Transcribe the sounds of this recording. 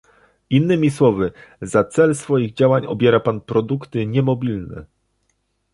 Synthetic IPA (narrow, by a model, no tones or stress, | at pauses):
inːɘmʲiswɔvɘzat̪sɛlsfɔjiɣd͡ʑawaɲɔbʲjɛɾapanpɾɔd̪ukt̪ɘɲɛmɔbʲilnɛ̰